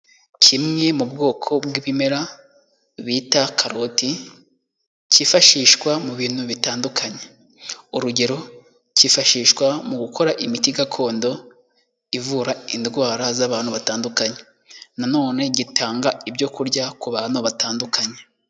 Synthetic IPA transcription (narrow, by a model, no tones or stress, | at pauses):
cʰimŋe̞mubɡo̞ːkʰo̞bɡwiβime̞ɾa | βiːtakʰaɾo̞ti | cifaʃiːʃkwamuβiːn̥huβitaːndukʰaɲe | uɾuɟe̞ɾo̞ | cifaʃiːʃkwamuɡukʰo̞ɾaʔimitiɡakʰo̞ːndo̞ | ivuːɾaindɡwaːɾazaβaːn̥huβataːndukaɲe̞ | nano̞ːne̞ɟitʰaːŋɡaibɟo̞kuɾɟakuβaːn̥uβataːndukʰaɲe̞